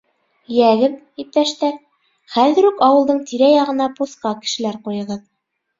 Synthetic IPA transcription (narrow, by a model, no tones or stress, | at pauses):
jæɡɘð | ip̚t̪æʃt̪æ | χæðɘ̆ɾʉkɑwɤ̆lˠd̪ɤɴt̪iɾæjɑʁɤ̆nɑposqɑkɘ̥̆ʃɘ̆læɾqujɤ̆ʁɤð